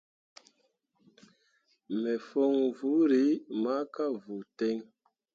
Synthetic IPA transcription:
mɛ˨fo˦ŋvu˨˦ɾi˨˦ma˦ka˦vu˨tɛ˦ŋ

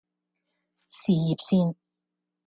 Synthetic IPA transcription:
si˨˩ji˨˩p̚siː˥˩ŋ

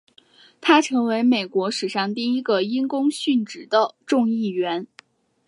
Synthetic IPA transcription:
t̪ʰa˥ʈ͡ʂʰɤ˧˥ŋwe˧˥ɪme˨˩ɪkwɔ˧˥ʂɻ̩˨˩ʂɑ˥˧ŋt̪i˥˩i˥ɡə˧i˥nkʊ˥ŋɕy˥˩nʈ͡ʂɻ̩˨˩d̪ə˦ʈ͡ʂʊ˥˧ŋi˥˩ɥɛ˧˥n

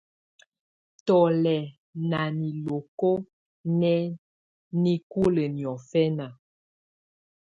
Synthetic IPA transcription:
tɔ˨lɛ˨ | na˨ni˨lo˨ko˦ | nɛ˦ | ni˦ku˦lə˨njɔ˨fɛ˦na˨

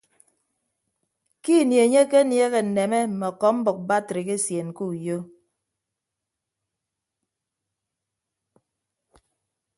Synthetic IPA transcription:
ki˦˨nje˨ɲe˦ke˦nje˦ɣe˨n̩˨ne˨me˦m̩˨mɔ˨kɔ˨˦m̩˦bɔ˨k̚ba˦tɾi˨ke˦sje˨n˨ku˦˨jo˦

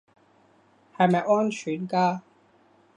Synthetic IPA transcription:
hɐ˨jmɐ˨˩jʔɔː˥nt͡ʃʰyː˨˥nkaː˥

